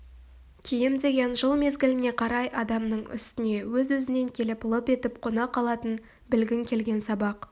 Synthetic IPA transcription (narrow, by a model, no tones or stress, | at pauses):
kʲʰejɪmd̪e̞ɡʲe̞nʒəlˠme̞zɡʲɪlɪne̞qʰɑɾɑjɑd̪ɑmnəɴʏ̰st̪ɪne̞wɵzwɵzɪne̞ŋkʲʰe̞lɪplˠope̞t̪ɪpqʰo̞nɑqːɑlˠɑt̪ən | bɪlɡʲɪŋkʲʰe̞lɡʲe̞nsɑbɑq